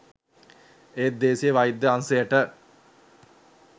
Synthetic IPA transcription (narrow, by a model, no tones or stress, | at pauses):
eːd̪eːsijeʋajid̪ːəansejəʈə